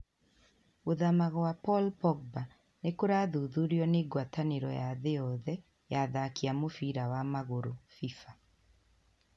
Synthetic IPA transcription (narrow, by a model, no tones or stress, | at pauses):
oðamaɣɔwapɔlpɔɡ̚ba | nekoɾaðuðuɾiɔneːɡwataneɾɔjaðeɔðɛ | jaðakiamofiɾawamaɣoɾofifa